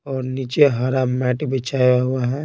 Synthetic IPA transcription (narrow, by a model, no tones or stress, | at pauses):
ɔːɾniːt͡ʃeɦaːɾaːmːɛːʈbət͡ʃʰaaɦuaɦɛ̃